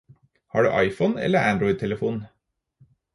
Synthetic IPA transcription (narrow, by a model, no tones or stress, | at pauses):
hɑ̰ːɖʉ̰ːʔɑɪfənɛ̰lːəɾænd̪ɾɔʏd̪̚t̪ʰɛləfuːn̩